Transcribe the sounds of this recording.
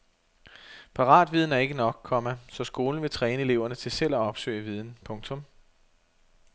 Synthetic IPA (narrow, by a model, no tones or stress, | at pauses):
pʰɑ̈ʁɑ̰̈ːd̥ʋið̞ˠn̩æɐe̝ɡ̥ənɒ̽ɡ̥̚kʰɒ̽mæsɒ̽sɡ̥o̝ːln̩ʋe̝t͡sʰʁɛːnəe̝le̝ʊ̰ɐnət͡sʰe̝lsel̰ɒɒ̽b̥sø̰ɪəʋiːð̞ˠn̩pʰɔ̽ŋt͡sʰɔ̽m